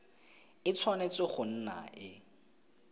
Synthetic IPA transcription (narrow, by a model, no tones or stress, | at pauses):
ɪt͡sʰwanet͡sɪχʊn̩na̰ʔɪ